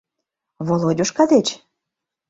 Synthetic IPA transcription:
βolodʲuʃkɑd̪et͡ɕ

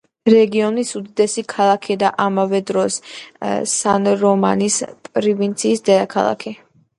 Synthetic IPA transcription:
ɾɛɡiɔnisud̪id̪ɛsikʰalˠakʰid̪aʔamavɛd̪ɾɔs | sanɾɔma̰nispʼɾivint̪sʰiːsd̪ɛd̪akʰa̰lˠa̰kʰi

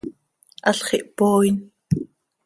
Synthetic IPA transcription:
ʔaɬχiʔpoːin

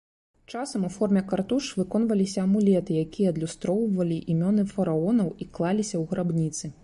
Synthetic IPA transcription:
t͡ʂasɐmufɔrmʲɛkart̪uʂvɨkɔn̪vɐlʲisʲɐːmulʲɛt̪ɨjakʲijɛɐd̪lʲust̪ɾɔwvɐlʲiʔimʲɔnɨfɐɾaɔnɐwiklˠalʲisʲɐwɣɾabnʲit̪sɨ

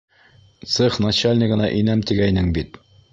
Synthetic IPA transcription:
t̪sɘχnat͡ɕalʲnʲɪɡɤ̆nɑʔinæmt̪iɡæjnɘŋbit̪

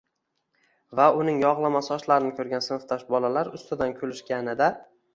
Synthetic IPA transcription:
vaʊnɪŋjɒʁlˠamasɪɒʃlaɾɪnɪkʰʲɵɾɡʲansɪnɪft̪ʰaʃbɒlalaɾʊst̪ɪd̪ankʲʰɵlɪʃkʲanɪd̪a

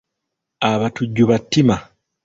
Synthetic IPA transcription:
aβatuɟːuβatːima

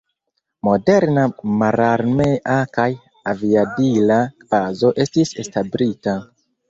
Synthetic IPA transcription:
mo̞de̞ɾnamaɾaɾmeʔakaj | aviadilav̥azo̞ʔe̞stisestabɾita

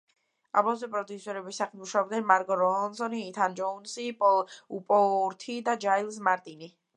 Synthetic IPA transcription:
a̰bɔsɛpʼɾɔd̪usɔɾɛbisaχimuʃaɔbd̪ɛnmaɾkʼɔɾɔɦɔnsɔniːt̪ʰand͡ʒɔunsipʼɔupʼɔɾt̪ʰid̪ad͡ʒailˠs̬maɾt̪ʼini

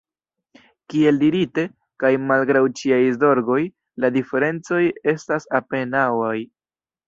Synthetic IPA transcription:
kie̞ldiɾite̞ | kajmalɡɾawt͡ʃiajzo̞ɾɡo̞j | ladife̞ɾe̞nt͡so̞je̞stasape̞nawaj

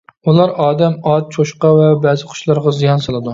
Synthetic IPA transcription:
ulˠɑɾɑːd̪ɛmɑt̪̚t͡ʃʰoʃqɑvɛbɛzɪqʰʊ̥ʃlˠɑɾʁɑzijɑnsɑlˠɨd̪u

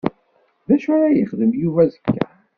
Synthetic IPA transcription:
ðæʃaɾajəχðəmjuvæzəkʰːæ̰

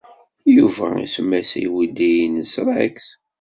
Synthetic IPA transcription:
juvæ̰ḭsəmːæsḭjwid̪ijnəsɾˤaks

